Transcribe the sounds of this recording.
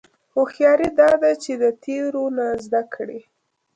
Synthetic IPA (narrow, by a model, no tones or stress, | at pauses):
ʊxjɑɾid̪ɑd̪at͡ʃed̪ət̪ʰeɾonazd̪akɽi